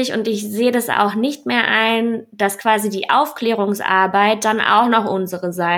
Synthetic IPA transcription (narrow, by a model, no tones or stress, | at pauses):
ɪçʊntɪçz̥eːədasa̰ʊxnɪçtmeːɐʔaɪnd̥askv̥aːzidiːʔa̰ʊfkl̥ɛːʁ̞ʊŋsʔa̰ɐbaɪt̚d̥anʔa̰ʊxnɔχʔʊnzəʁəzaɪ